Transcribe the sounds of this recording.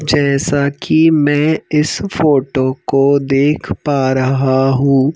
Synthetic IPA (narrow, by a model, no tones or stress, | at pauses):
d͡ʒɛːsakimɛ̃ːɪsfoːʈokod̪eːkʰpaːɾɐɦaɦũː